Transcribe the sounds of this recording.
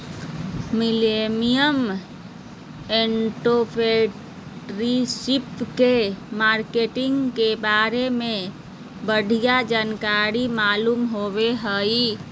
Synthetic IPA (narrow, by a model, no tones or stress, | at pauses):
milemijəm | eɳʈopʰe | ɾisipkemaɾkeʈiŋɡkebaɾeme | bəɖʱijad͡ʒankaɾimalumɦobeɦəj